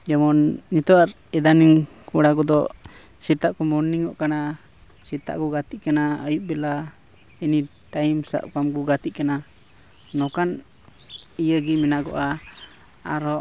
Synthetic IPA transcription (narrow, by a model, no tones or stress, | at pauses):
d͡ʒɔmɔnːit̪ɔaɾ | ɛd̪aniŋ | kuɽaɡɔd̪ɔ | sit̪aʔkumɔnːiŋɔʔkana | sit̪a̰ʔkuɡat̪iʔkanaəjuʔ̚bɛla | ini | ʈaimsa̰ʔkamɡuɡat̪iʔkana | nɔkan | ijəɡimɛnaɡɔ̰ʔa | aɾɔ